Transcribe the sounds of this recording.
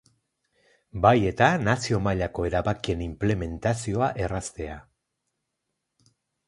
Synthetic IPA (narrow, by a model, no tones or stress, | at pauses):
baje̞t̪anasio̞maʎako̞e̞ɾaβakie̞nimple̞me̞nt̪asio̞aʔe̞rast̪e̞a